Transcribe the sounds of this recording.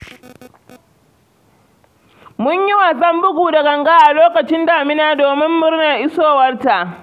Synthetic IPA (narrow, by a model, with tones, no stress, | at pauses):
mʊ˦ɲji˦waː˨s̬ʼɐ˦mbʊ˦ɡʷuː˨da˨ɡɐ˨ŋɡa˦ʔa˨loː˦kɐ˨t͡ʃɪ˦ndaː˨mɪ˦naː˦doː˨mɪ˦mːʊ˦rna˨ʔɪ˦soː˦wɐ˦rta˨ʔ